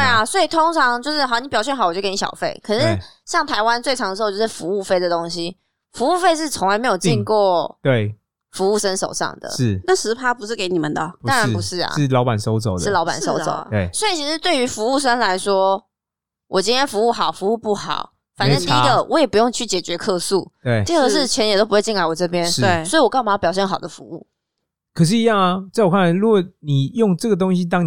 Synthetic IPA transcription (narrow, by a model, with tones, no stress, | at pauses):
t̪e˥˩ɪa˨˩swɔ˧˥i˨˩t̪ʰo˥ŋt͡sʰɑ˧˥ŋt͡ɕjo˥˧ʂɻ̩˥˩xni˧˥pjɑ˨˩ʊɕjɛ˥˩nxwjo˥˧ke˧˥ni˧˩ɕɑ̰˨˩ʊfe˥˩ɪkʰɤ˨˩nə˧˦˧ɕjɑ˥˩ŋt̪ʰa˧˥ɪwa˦nt͡swe˥˩ɪʈ͡ʂʰɑ˧ŋd̪ə˧˥˧jo˥ʂɻ̩˥˩fu˧˦u˥˧˩fe˥˧ɪd̪ə˨t̪o˥ŋɕi˦˥ | fu˧˥u˥˧fe˥˧ɪʂ̬ɻ̩˥˩t͡sʰo˧˥ŋla˧ɪme˧˥jo˨˩t͡ɕi˥˧ŋkwɔ˥˩t̪we˥˩ɪ | fu˧˥u˥˩ʂə˦nʂo̰˨˩ʊʂɑ̰˥˩ŋd̪ə̰˩ɻ̩˥˩na˥˩ʂɻ̩˧˥pʰa˥pu˧ʂɻ̩˥˩ke˧˥ɪni˨˩mə˨nd̪ə˩ɑ˥ŋɻa˧˥pu˧˥ʂɻ̩˥˩a̰˨˩ɻ̩˥˩lɑ˧ʊpa˨˩nso˥ʊt͡so˨˩ʊd̩˥˩lɑ˧˥ʊpa̰˨˩nso˥ʊo̰˨˩ʊ̰˩e˩swɔ˧˥i˨˩t͡ɕʰi˧˥ʂɻ̩˥˧t̪we˥˩ɪy˧˥fu˧˥u˥˩ʂ̬ə˥nla˧˥ɪʂwɔ˥ | wʔɔ˨˩t͡ɕi˥nt̪ʰjɛ˥nfu˧˥u˥˩xɑ˨˩ʊfu˧˥u˥˧pu˥˩xɑ̰˨˩˦ʊ | fa˨nə˥i˥i˧˥ɡə˧wɔ˧˦jɛ˨˩pu˧jo˥˩˧ŋt͡ɕʰy˥˩t͡ɕjɛ˨˩t͡ɕɥɛ˧˥kʰɤ˥˧su˥˩t̪we˥˩ɪ˥˧˥ʂ̬ɻ̩˥˩t͡ɕʰjɛ˧˥njto˥ʊpu˧wt͡ɕi˥˧ŋa˥˩ɪwɔ˨˩ʈ͡ʂɤ˥˩pjɛ˥˦nʂɻ̩˥˧˩sɔ˧˥i˨wɔ˨˩kɑ˥˩ʊma˧˥˩pjɕjɛ˥˩nxɑ˨˩ʊd̪ə˦fṵ˧˦ṵ˥˩ | kʰə˨˩ʂ̬ɻ̩˥˧i˧˥jɑ˥˩ŋa˨˩t͡sa˥˩ɪwkʰa˥˩n˧˥lu˧˥ɡɔ˨˩ni˨˩jo˥˩ŋʈ͡ʂɤ˥˩ɡə˩t̪o˥ŋɕi˦t̪ɑ˥ŋ